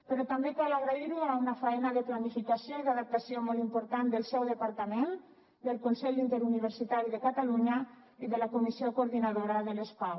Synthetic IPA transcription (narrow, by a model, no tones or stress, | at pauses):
pəɾɔt̪ambekalaɣɾaiɾuaunafaɛnaðəplanifikasioiðaðap̚t̪asiomɔlˠimpuɾt̪and̪əlˠsɛwðəpaɾt̪amen | d̪əlˠkonsɛʎint̪eɾuniβ̞əɾsit̪aɾiðəkat̪aluɲa | iðəlakomisiokouɾðinaðoɾaðəlespaw